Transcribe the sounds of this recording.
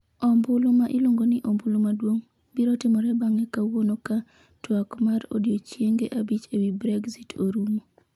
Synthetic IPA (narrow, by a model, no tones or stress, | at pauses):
ɔmbʊlomaʔɪloŋɡonɪʔombʊlomadwoŋ | biɾotɪmɔɾɛbaŋɛkawonoka | twakmaɾo̰djot͡ʃjeŋɡeʔabit͡ʃewibɾɛɡzitʰoɾumo